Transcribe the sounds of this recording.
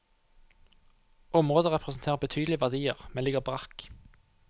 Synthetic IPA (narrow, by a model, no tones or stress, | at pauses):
ɔmʁoːd̪əʁɛpʁəsn̩t̪ʰeːʁəʁbət̪ʰyːd̪l̩ɪʋæʁd̪iːəʁmɛnlɪɡəʁbʁɑk